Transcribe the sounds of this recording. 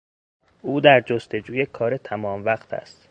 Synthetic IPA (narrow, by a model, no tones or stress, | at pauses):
ʔuːd̪æɾd͡ʒost̪e̞d͡ʒuːje̞kʰɒːɾe̞t̪ʰæmɒːmvæqt̪ʰæ̰st̪